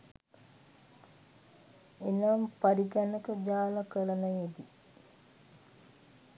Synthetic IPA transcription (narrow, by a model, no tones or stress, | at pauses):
enampaɾiɡænəkəd͡ʒaːləkələnəjed̪i